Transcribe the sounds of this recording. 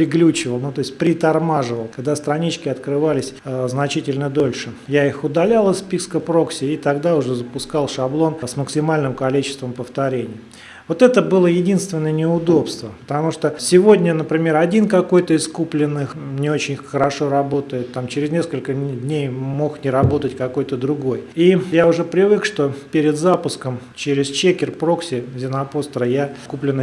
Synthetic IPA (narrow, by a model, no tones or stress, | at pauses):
pɾʲɪɡlʲut͡ɕɪvəlˠnut̪o̞ɪsʲt̪̚ʲpɾʲɪt̪ɐrmaʐɨvəlˠkɐɡ̚d̪ast̪ɾɐnʲit͡ɕkʲɪɐt̪kɾɨvalʲɪsʲznɐt͡ɕitʲɪlʲnəd̪o̞lʲʂɨjaixʊd̪ɐlʲalˠɨspʲiskəpɾo̞ksʲɪit̪ɐɡd̪aʊʐɛzəpʊskɑlˠʂɐblˠo̞nsməksʲɪmalʲnɨmkɐlʲit͡ɕɪ̥st̪vəmpəft̪ɐɾʲenʲɪjə | vo̞t̪ɛt̪əbɨlˠəjɪdʲinst̪vʲɪnːəjənʲɪʊd̪o̞pst̪vəpə̥t̪ɐmuʂt̪osʲɪvo̞dʲnʲənəpɾʲɪmʲe̞ɾɐdʲinkɐko̞jt̪əɪskuplʲɪnːɨ | nʲɪo̞t͡ɕɪnʲxəɾɐʂo̞ɾɐbo̞t̪əjɪt̪ːamt͡ɕɪɾʲɪzʲnʲeskəlʲkədʲnʲejmo̞xnʲɪɾɐbo̞t̪ətʲkɐko̞jt̪əd̪ɾʊɡo̞jijaʊʐɛpɾʲɪvɨkʂt̪o̞pʲeɾʲɪd̪zapʊskəm | t͡ɕeɾʲɪst͡ɕekʲɪrpɾo̞ksʲɪzʲɪnɐpo̞st̪ɾəjakuplʲɪnːə